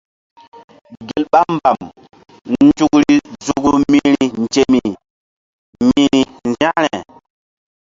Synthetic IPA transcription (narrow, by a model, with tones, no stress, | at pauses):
ɡe˨lɓa˦m˦ba˨m | nn˦d͡ʒu˦kɾi˦zu˦˨ku˦mi˦ɾi˦n˨d͡ʒe˦mi˨ | mi˦i˨nza˦ɾɛ˨